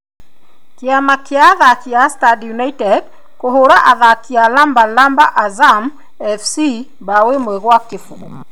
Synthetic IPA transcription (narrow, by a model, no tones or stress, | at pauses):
keamakjaːðakiastadjunaitɛd | koɦoɾaʔaðakialambalambaʔazam | ɛfsi | bawemwɛɣwakefuɣ